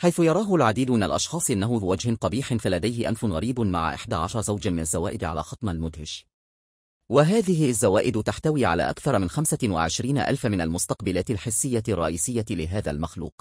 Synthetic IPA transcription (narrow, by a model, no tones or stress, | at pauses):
ħajθʊjɑɾˤɑːɦʊlʕad̪iːd̪mɪna̰lʔɑ̰ʃxɑːsˤʔɪnːaɦʊɪwad͡ʒhɪnt̪ˤɑbiːħɪnfalad̪ajhɪʔa̰mfʊnɣɑɾiːbma̰ʕa̰ʔɪ̰ħd̪aːʕaʃɑɾˤzawd͡ʒamɪnazːawa̰ːʔɪd̪ʕala̰ːxɑt̪ˤmalmʊd̪hɪʃ | waɦaːðɪɦɪazːawaːʔɪd̪t̪aħt̪awiːʕa̰la̰ːʔakθɑɾˤmɪnxamsawa̰ʕɪʃɾiːna̰ʔa̰lfamɪnalmʊst̪ɑqbalaːt̪ɪlħɪsːɪjːarˤːɑ̰ʔiːsɪjːalɪɦaːða̰lmaxlṵːq